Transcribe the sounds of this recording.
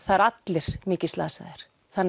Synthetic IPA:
θaɾat̪lɪɾ̥mɪːcɪ̥st̪la̰ːsaðɪɾ̥ | θanː

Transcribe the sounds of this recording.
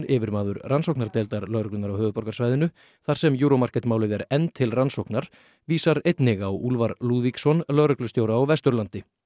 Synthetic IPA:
ɪːvɪɾmaːðʏɾransowknaɾt̪ɛːlt̪aɾlœɾʏklʏnaɾawhœːvʏpɔɾkḁsvajðɪnʏ | θaɾ̥sɛmjuːɾomar̥kɛt̪maːwlɪðɛɾɛnːt̪ʰɪlransowknaɾ̥ | viːsaɾejt̪nɪɣawulvaɾluːðviksɔnlœɾʏklʏst̪joːwɾaːwvɛst̪ʏɾlant̪ɪ

